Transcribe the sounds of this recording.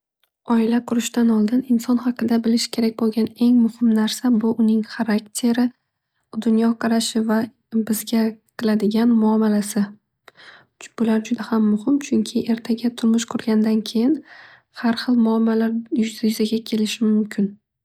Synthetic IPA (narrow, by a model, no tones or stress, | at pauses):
ɒɪlaqʰʊɾɪʃt̪anɒlˠd̪ɪnɪnsɒnχɑqʰɨd̪abɪlɪʃkʲʰe̞ɾak̚ʲbolˠɡʲane̞ŋmʊhɪmnaɾsabʊʔʊnɪŋχaɾakt̪ʰe̞ɾɪ | d̪ʊnjɒqʰɑɾaʃɪva | bɪzɡʲaqʰɨlˠad̪ɪɡʲanmʊamːalasɪ | b̥ʊlaɾd͡ʒʊd̪ahamːʊhɪmt͡ʃʰʊŋkʲʰɪʔe̞ɾt̪ʰaɡʲat̪ʰʊɾmʊʃqʰʊɾɡʲand̪ankʲʰe̞jɪn | haɾχɨlˠmʊamːalaɾjʊjʏzaɡʲakʲʰe̞lɪʃɪmʊmkʲʰɪn